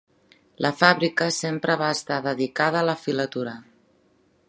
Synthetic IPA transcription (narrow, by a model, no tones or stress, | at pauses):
lʔəfaβɾikəsempɾəβaəst̪aðəðikað̞əːləfilət̪uɾə